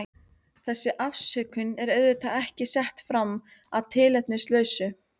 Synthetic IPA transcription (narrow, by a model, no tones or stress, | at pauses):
θɛsːɪʔafsœkʏnɛɾœɥðʏt̪aɛhcɪsɛht̪fɾamː | aðt̪ʰɪːlɛht̪nɪslœːɥsʏ